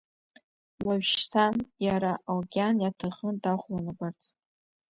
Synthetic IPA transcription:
waɥʃtʰanjaɾaʔalɡʲanjatʰaʁəndaχʷlanɨbart͡sʰʼ

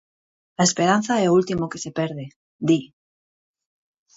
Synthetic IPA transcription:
aespe̞ɾan̟θaeoult̪imokese̞peɾðe | d̪i

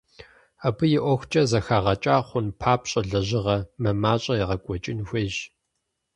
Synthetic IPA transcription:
aːbɨjɪʔʷɔxʷt͡ʃʼɐzɐxaːʁɐt͡ʃʼaːχʷʊnpʰaːpɕʼɐɮɐʑɪʁɐmɐmaːɕʼɐjɪʁɐkʷʼɔt͡ʃʼɪnxʷɐʒ

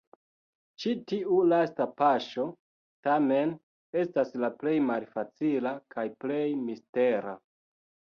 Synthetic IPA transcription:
t͡ʃitiʔulastapaʃo̞ | tame̞n | e̞staslaple̞jmalfat͡silakʰajple̞jmiste̞ɾa̰

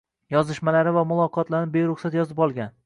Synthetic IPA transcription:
jɒzɪʃmalaɾɪvamʊlˠɒqʰɒt̪laɾnɪbejɾʊχsat̪jɒzɪpɒlˠɡʲan

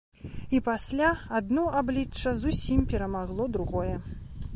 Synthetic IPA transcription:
ipasʲlʲaad̪nɔʔablʲit͡ʂːɐzusʲimʲpʲɛɾɐmaɣlˠɔd̪ɾuɣɔjɛ

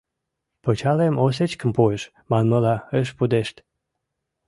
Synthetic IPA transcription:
pot͡ɕɑlemos̬et͡ɕkəmpueʃ | mɑnməlɑeʃ̬pud̪eʃt̪

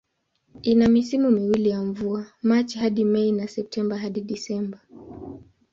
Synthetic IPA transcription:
inamisimumiwilijaɱvuamat͡ʃhaɗimɛinasɛp̚tʰɛmbaɦaɗiɗisɛmba

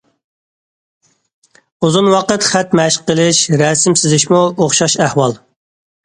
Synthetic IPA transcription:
uzunwɑqət̪χæt̪mɛʃqəlˠɪʃɾɛsɪmsɪzɪʃmuoχʃɑʃæhwɑlˠ

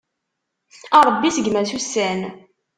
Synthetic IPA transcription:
ɑɾˤəbːisəɡmæθusːæn

